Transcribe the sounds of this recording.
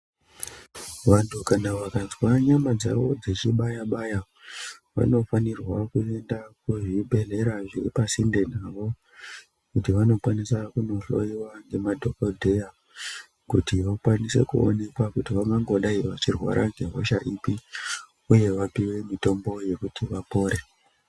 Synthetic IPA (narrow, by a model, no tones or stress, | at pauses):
ʋantʰukanaʋakanzwaɲamad͡za̰ʋo̞d͡zet͡ʃiɓajaɓaja | ʋa̰no̞fanirwakue̞ndakuʐibʱe̞ɮe̞ɾaʐiripasinde̞naʋo̞ | kutiʋano̞kwanisakuno̞ɬo̞̰iwaŋɡe̞madʱo̞kodʱe̞ja | kutiʋakwanise̞̰kuo̰ne̞kwakutiʋaŋɡaŋɡo̞ɗaiʋat͡ʃirwa̰ɾʔaŋɡe̞ɦo̞̰ʃaʔipi | uje̞ʋapiwe̞mito̞mbo̞je̞kutʰiʋapo̞ːɾe